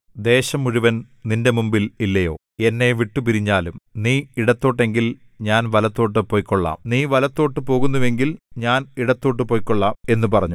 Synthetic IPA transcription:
d̪e̞ːɕɐmːuɻuʋɐn | ninde̞mumbililːɐjo̞̰ː | e̞nːe̞ʋiʈːupiɾiɲːaːlumniːiɽɐt̪ːo̞ːʈːe̞ŋɡil | ɲaːnʋɐlɐt̪ːo̞ːʈ̬ːɨpo̞ːjkʲːoɭːa̰ːmniːʋɐlɐt̪ːo̞ːʈːɨpo̞ːɣunːuʋe̞ŋɡilɲaːniɽɐt̪ːo̞ːʈːɨpoːjikːoɭːaːe̞nːupɐrɐɲːu

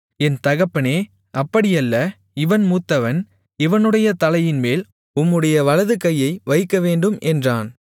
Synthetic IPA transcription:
ɛnt̪ɐɣɐpːɐneː | ɐpːɐɽɪjɐlːɐ | ɪʋɐnmuːt̪ːɐʋɐn | ɪʋɐnɯɽɐjɐt̪ɐlɐjɪnmeːl | ʊmːɯɽɐjɐʋɐɭɐðɯkɐjːɐɪʋɐɪkːɐʋeːɳɖɯmʔɛndraːn

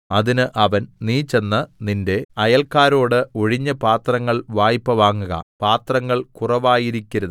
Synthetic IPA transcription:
ɐðinɨʔɐʋɐnniːt͡ɕe̞nːɨninde̞ɐjɐlkaːɾo̞ːɽɨo̞ɻiɲːɐpaːt̪rɐŋːɐɭʋaːjpːɐʋaːŋːuɣɐ̰paːt̪rɐŋːɐɭkurɐʋaːjiɾikʲːɐɾɐð

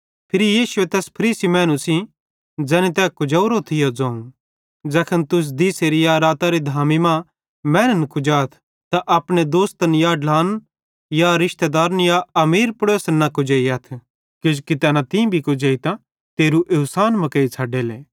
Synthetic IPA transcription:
pʰɪɾijiːsʊet̪ɛːspʰɐɾiːsimɛ̃ːnũsĩ | d͡zɛːnit̪ɛkʊd͡ʒɐʊɾot̪ʰɪjod͡zãːũ | d͡zɛːkʰənt̪ʊs̬d̪iːseɾijaɾaːt̪aɾid̪ʱaːmimã | mɛ̃ːnənkʊd͡ʒaːt̪ʰ | t̪aʔɐpɽ̃ed̪oːst̪njaɖlaːn | jaɾɪʃt̪ed̪aːɾnjaɐmiːɾpʊɽoːsnakʊd͡ʒeːiɐt̪ʰ | kɪd͡ʒkit̪ɛːnãt̪ĩbʱikʊd͡ʒeːit̪ã | t̪eːɾuʔɪʊsaːnmɐ̃kɐit͡sʰaːɖeːleː

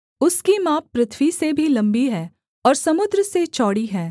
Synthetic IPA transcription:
ʊskimaːpːɾɪt̪ʰwisebʱilɐ̃mbiɦɛː | ɔːɾsɐmʊd̪ɾəset͡ʃɔːɽiɦɛː

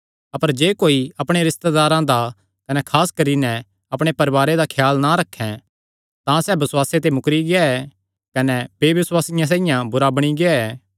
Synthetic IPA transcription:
ɐpəɾd͡ʒeːkoːiɐpɽ̃eɾɪst̪ed̪aːɾãd̪a | kɐnɛkʰaːskɐɾinɛ | ɐpɽ̃epɐɾʋaːɾed̪akʰjaːlnaɾɐkʰːɛ̃ | t̪ãsɛːbɪswaːset̪emʊkɾiɡɪaɛ | kɐnɛbeːʋɪswaːsɪjãs̬ãːɪjãbʊɾabɐɽ̃iɡɪaɛː

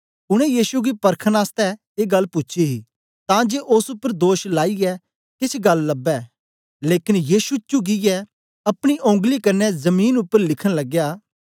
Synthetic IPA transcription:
ʊɽ̃ɛ̃jiːʃuɡipɐɾkʰənaːst̪ɛ | eːɡɐlːpʊtːʃʰiɦi | t̪ãːd͡ʒeːʔʊsʊpːəɾd̪oːʃlaːiɛ | kɪsʰɡɐlːɐbɛː | leːkɪnjiːʃut͡ʃuɡiɛ | ɐpɽ̃iʔõːŋɡlikɐɾnɛzɐmiːnʊpːəɾlɪkʰəɽ̃lɐɡjaː

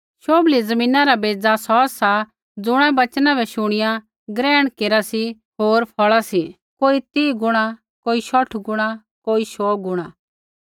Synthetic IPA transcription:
ʃoːblizɐmĩːnãɾabeːd͡zasɔːsa | d͡zʊɽ̃ɛ̃bɐt͡ʃnãbʱɛʃʊɽ̃ɪjã | ɡɾɛːɽ̃keːɾasi | ɦoːɾpʰɔɭasi | koːit̪iːɡʊɽ̃a | koːiʃɔʈʰɡʊɽ̃a | koːiʃɔːɡʊɽ̃a

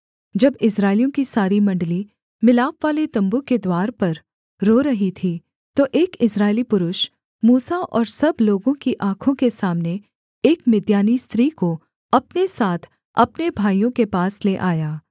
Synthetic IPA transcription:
d͡ʒɐbɪsɾaːɪlijõkisaːɾimɐ̃ɳɖli | mɪlaːpʋaːlet̪ɐ̃mbuked̪waːɾpɐɾ | ɾoːɾɐɦit̪ʰi | t̪oʔeːkɪsɾaːɪlipʊɾʊʃ | muːsaʔɔːɾsɐbloːɡõkiʔaːkʰõkesaːmne | eːkmɪd̪jaːnist̪ɾiːko | ɐpnesaːt̪ʰ | ɐ̰pnebʱaːijõkepaːsleʔaːjaː

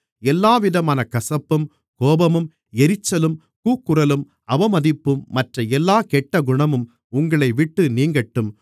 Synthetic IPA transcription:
ɛlːaːʋɪðɐmaːnɐkɐsɐpːɯm | koːbɐmɯm | ɛɾɪt͡ʃːɐlɯm | kuːkːɯɾɐlɯm | ɐʋɐmɐðɪpːɯmːɐʈrɐɛlːaːkɛʈːɐɡʊɳɐmɯm | ʊŋɡɐɭɐɪʋɪʈːɯniːŋɡɐʈːɯm

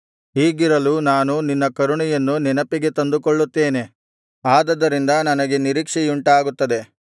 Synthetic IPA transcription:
ɦiːɡiɾɐlunaːnuninːɐkɐɾuɳijɐnːunɛnɐpiɡe̞t̪ɐnd̪ukɔɭːut̪ːeːne̞ | aːd̪ɐd̪ːɐɾind̪ɐnɐnɐɡe̞niɾiːkʂɛjuɳʈaːɡut̪ːɐd̪e̞

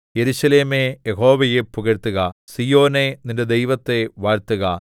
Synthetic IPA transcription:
jeɾuɕɐleːmejeɦo̞ːʋɐjepuɣɐɾt̪ːuɣɐsijo̞ːne̞ninde̞d̪ejʋɐt̪ːe̞ʋaːɾt̪ːuɣɐ

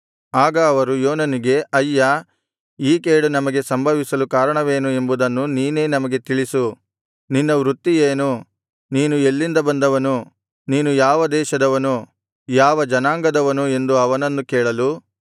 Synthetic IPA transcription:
aːɡɐːʋɐɾujoːnɐniɡe̞ʔɐjːɐ | iːke̞ːɽunɐmɐɡe̞sɐmbʱɐʋisɐlukaːɾɐɳɐʋe̞ːnue̞mbud̪ɐnːuniːne̞ːnɐmɐɡe̞t̪iɭisu | ninːɐʋɾut̪ːijeːnu | niːnue̞lːind̪ɐbɐnd̪ɐʋɐnu | niːnujaːʋɐd̪ɛːʃɐd̪ɐʋɐnu | jaːʋɐd͡ʒɐnaːŋɡɐd̪ɐʋɐnue̞nd̪uɐʋɐnɐnːukɛːɭɐlu

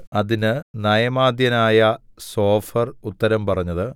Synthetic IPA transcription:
ɐðinɨnɐjɐmaːd̪jɐnaːjɐso̞ːfɐrut̪ːɐɾɐmpɐrɐɲːɐðɨ

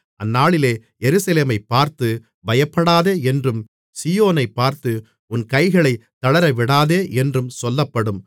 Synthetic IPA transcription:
ʔɐnːaːɭɪleː | jɛɾɯsɐleːmɐɪpːaːɾt̪ɯ | bɐjɐpːɐɽaːðeːɛndrɯm | siːjoːnɐɪpːaːɾt̪ɯ | ʊnkɐɪɣɐɭɐɪt̪ːɐɭɐɾɐʋɪɽaːðeːʔɛndrɯmsɔlːɐpːɐɽɯm

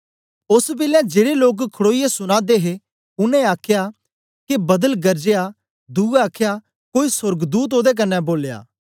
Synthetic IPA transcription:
ʊsbɪlɛ̃d͡ʒeːɽeloːkkʰːʊɽoːijesʊñaːd̪eɦe | ʊnɛ̃aːkʰja | kebɐd̪əlɡɐɾd͡ʒeja | d̪uːaːkʰeja | koːisʊɾɡd̪uːt̪̬oːd̪ek̬ɐnːɛboːlja̰ː

